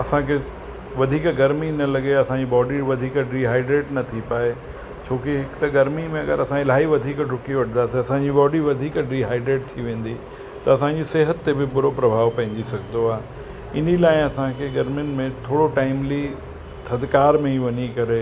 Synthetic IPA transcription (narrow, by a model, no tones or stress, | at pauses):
ɐsãkʰe | ʋɐd̪ʱiːkɡɐɾminɐlɐɡeɐsãd͡ʑibɔːɖiʋɐd̪ʱiːkɾiːɦaːɪɖɾeːʈnɐt̪ʰipaːe | t͡ɕʰoːkiɦɪkt̪ɐɡɐɾmimẽɐɡə̰ɾɐsãɪlaːiʋɐd̪ʱiːkɖʱʊkiʋɐʈʰənd̪aːsiɐsãd͡ʑibɔːɖiʋɐd̪ʱiːkɖɾiɦaːɪɖɾeːʈt̪ʰiʋẽːn̆d̪i | t̪ɐɐsãd͡ʑiseːɦət̪ːebɪbʊɾopɾɐbʱaːʋpɐ̃ɦɪ̃ɲ̆d̪isɐɡʱnd̪oaːɦe | ɪn̤ilaːɪ̃ɐsãkʰeɡɐɾmjʊnɪ̆mẽt̪ʰoːɽoʈaːɪmli | sɐd̪ʱkaːɾmẽiʋɐɲikɐɾe